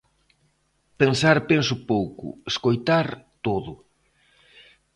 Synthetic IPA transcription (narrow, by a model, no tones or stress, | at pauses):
pensaɾpensʊpowkʊ̰eskojt̪aɾt̪oðʊ